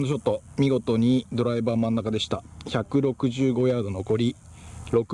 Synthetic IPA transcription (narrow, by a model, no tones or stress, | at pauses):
noɕo̞t̪ːomʲiɡo̞t̪o̞ɲ̟id̪o̞ɾaibaːmãnːakad̪e̞ɕi̥t̪açakɯ̟ɾo̞kɯ̟ʑɨːɡo̞jaːd̪o̞no̞ko̞ɾʲi | ɾo̞k